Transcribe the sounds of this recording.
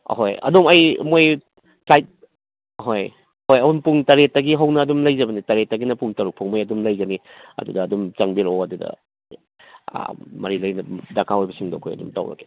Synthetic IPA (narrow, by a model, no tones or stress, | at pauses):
ɦojɐ̰dumɐjmoj | sajt̚ | ɦoj | hojɐhunpuŋtɐɾet̚ːɐɡiɦɐwnɐːdumlɐjzɐbɐnitɐɾetːɐɡinɐpuŋtɐɾuk̚pʰoŋmojɐdumlɐjɡɐniɐ̰dudɐːdumt͡ʃɐŋbiɾoɐdudɐ̰ | mɐɾilɐjnɐdakʰaojbɐsiŋdo̰kʰo̰jɐ̰dṵmtɐ̰wɾɐ̰ke̥